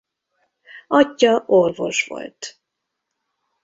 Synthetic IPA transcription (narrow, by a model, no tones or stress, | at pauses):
ɒcːɒʔorvo̞̰ʃʋo̞̰lt̪